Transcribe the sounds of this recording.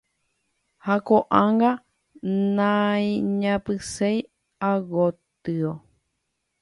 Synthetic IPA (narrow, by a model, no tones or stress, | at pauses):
hakoʔãŋɡa | nãĩɲãpɨsej | aɡot̪ɨo